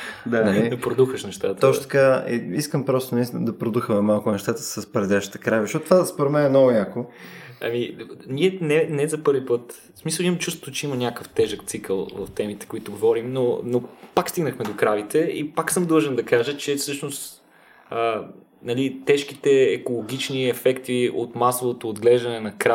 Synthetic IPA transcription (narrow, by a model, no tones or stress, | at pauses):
d̪anɐid̪ɐpɾod̪uxəʃnɛʃt̪at̪ət̪ɔʃt̪ɐ̥kaiiskəmpɾɔst̪onist̪inə̰d̪ɐpɾod̪uxəmɛmalˠkʊnɛʃt̪at̪ə̥səspɾɛd̪ɛʃi̥t̪ɛ̥kɾavizʃɔt̪t̪ːvaspoɾɛd̪mɛnɛnɔɡʊjakoɐ̰minʲiɛnɛnɛzɐpɤɾvipɤt̪ | smisəlˠiməmt͡ʃust̪vot͡ʃɛimɐnʲakəft̪ɛʒəkt̪sikəlˠvə̰ft̪ɛmit̪ɛ̥koit̪ʊɡovɔɾimnonopakst̪iɡnəxmɛd̪okɾavit̪ɛḭpaksɤmd̪lˠɤʒɛnd̪ɐkaʒət͡ʃɛfsɤʃnost̪ | ə | nɐlit̪ɛʃk̟it̪ɛɛkolˠoɡ̟ʲit͡ʃniɛfɛkt̪io̰t̪masovot̪oːd̪ɡlɛʒd̪ɐnɛnɐkɾa